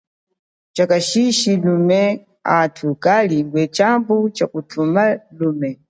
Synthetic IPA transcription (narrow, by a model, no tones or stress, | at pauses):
t͡ʃakaʃiʃilumɛ | atʰukaliɡwɛt͡ʃambut͡ʃakutʰumaluːmɛ